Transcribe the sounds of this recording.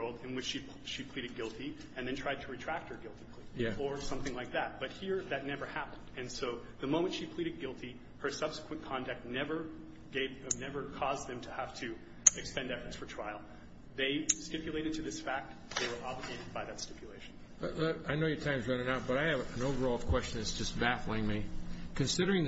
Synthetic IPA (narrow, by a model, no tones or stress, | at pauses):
lˠdɨ̃nwɨt͡ʃʃi | ʃipʰl̥iɾɨd̚ɡɪlˠtʰi | ɨ̃nðɨ̃ntʰɹ̥aɪd̚tʰəɹɨtʰɹ̥æk̚t̚hə˞ɡɪlˠtikʰlijæə˞sʌ̃mθɪ̃ŋlaɪk̚ðæt̚b̥ʌt̚hiɹðɨtⁿnɛvə˞hæpə̃ndɨ̃nsoʊðɨmõʊ̃mɨ̃ntʃipʰl̥iɾɨd̚ɡɪlˠtʰi | hə˞sʌb̥sə̥kʰwɨ̃nkʰɑ̃ndɨk̚tⁿnɛvə˞ | ɡ̥eɪvnɛvə˞kʰɔzðɨ̃mtʰɨhæftʰɨ | ɨkspɛ̃ndɛfə˞tsfə˞tʰɹ̥aɪl̩ˠ | ðeɪstɪpjɨleɪɾɨd̚tʰɨðɪsfæk̚t̪̚ | ðeɪwə˞ʔɑbləɡeɪɾɨd̚baɪðɨtstɪpʰjɨleɪʃn̩ | aɪnoʊjə˞tʰãɪ̃mzɹʌ̃nɪ̃ŋaʊt̚b̥ʌɾaɪɨvɨ̃noʊvə˞ɔlˠʌv̥kʰw̥ɛst͡ʃɨ̃nɨz̥d͡ʒʌsb̥æθl̩ˠɪ̃ŋmikʰɨ̃nsɪɾə˞ɪ̃ŋ